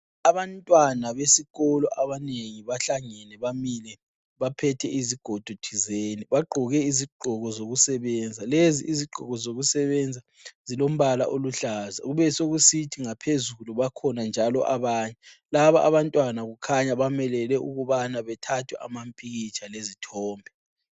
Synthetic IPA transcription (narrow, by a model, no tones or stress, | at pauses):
aβantʼwanaβesiɣɔlɔ̰ʔaβaneŋiβaɬaŋɛnɛβamilɛ | βapʰɛtʰɛiziɡ̥ʱɔd̥ʱud̥ʰʱizeːniβaɡ͡ǃʱɔɣɛiziɡ͡ǃʱɔɣɔzoɣusɛβɛnd͡zʱalezḭʔiziɡ͡ǃʱɔɣɔzoɣusɛβɛnd͡zʱa | zilom̩βala̰ʔoluɬaːzaɣuβɛsoɣusitʰiŋapʰezuluβakʰɔnand͡ʒʱalɔ̰ʔaβaːɲɛlaβaa̰βantʼwanaɣukʰaɲaβamɛlɛlɛʔuɣuβanaβɛtʰatʰwɛ̰ʔa̰mam̩pʼiɣit͡ʃʰʼalezitʰɔːmbʱɛ